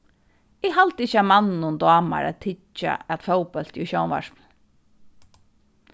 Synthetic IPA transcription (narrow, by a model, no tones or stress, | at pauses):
ɪɦalt̪ɪçːamanːnʊnd̪ɑːma̰ɾa̰t̪t̪ʰɪt͡ʃːa̰ɛt̪fɛwpœl̥t̪iʃɔːwnva̰ʃpl̩